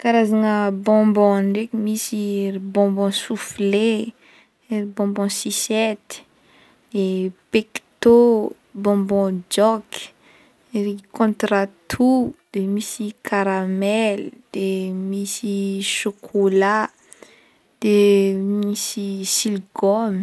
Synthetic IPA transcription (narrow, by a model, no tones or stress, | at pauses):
kaɾazanəbɔ̃mbɔ̃ɳɖ͡ʐekimisiribɔ̃mbɔ̃sufle | ɾibɔ̃mbɔ̃sisɛt̪i̥ | d̪̥epekt̪o | bɔ̃bɔ̃d͡ʒɔki̥ | ɾikɔ̃t̪ɾat̪ʰud̪̥emisikʰaɾamɛld̪̥emisiʃokʰola | d̪̥emisisilɡɔm